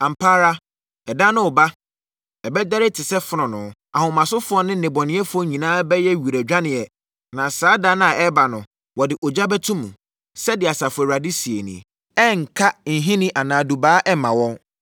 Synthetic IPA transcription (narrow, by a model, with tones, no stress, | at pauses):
ã˨m̩˨pʰaː˦ɾa˦ | ɛ˨dã˦nʊ̃˦ʊ˨ba˦ | ɛ˨bɛ˦da˦ɾɪ˦tʰɪ˨sɛ˦fʊ˦nʊ̃˨nʊ̃˨˦ | a̰˨hʊ̃˨mã˨sʊ˦fʊ˦ɔ˦nɪ̃˦n̩˨nɪ̃˨bɔ˨nɪ̃˦ɛ˦fʊ˦ɔ˦ɲĩ˨nãː˦bɛ˦jɛ˦ɥi˨ɾe˨d͡ʑᶣã˦nɪ̃˨ɛ˨ | nã˨saː˦dã˦ñ˦ã˨ɛ˦ba˨nʊ̃˨ | wɔ˨dɪ˨ʔɔ˨d͡ʑa˦bɛ˦tʰũ˦mṵ̃˨ | sɛ˦dɪ˨a˨sa˨fɛ˨ɾa˨di˦si˨e˨nḭ̃˨ | ɛ˦ŋ̩˨kʰa˦n̩˨ɦĩ˦nĩ˦ʔa˨nãː˨du˨baː˨˦ʔɛ˦mã˨wɔ̃˦n